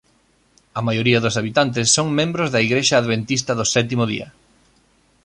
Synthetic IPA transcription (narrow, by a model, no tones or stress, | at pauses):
ɐmajoɾiɐðʊsaβit̪ant̪̬ɪsːoŋmẽmbɾʊzðɐiɣɾeʃɐːðβent̪ist̪ɐðʊsɛt̪̬imʊðḭɐ̰